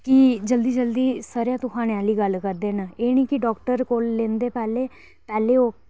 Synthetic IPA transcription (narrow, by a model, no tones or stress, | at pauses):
kɪd͡ʒəld̪iːd͡ʒəld̪iːsəːɾjãːt̪ʊkʰaːnaːliːɡəlkəɾd̪eːnaeːnĩːkɪɖɔːkʈəɾkoːlːeːnd̪eːpɛːleː | pɛːleːoː